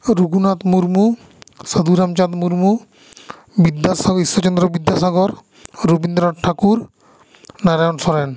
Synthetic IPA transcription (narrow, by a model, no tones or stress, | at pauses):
ɾuɡunat̪muɾmu | sad̪uɾamt͡ʃat̪muɾmu | bid̪ːasaɡɔisːɔt͡ʃɔnd̪ɾɔbid̪ːasaɡɔɾ | ɾobind̪ɾɔʈʰakuɾ | naɾajɔnsɔɾen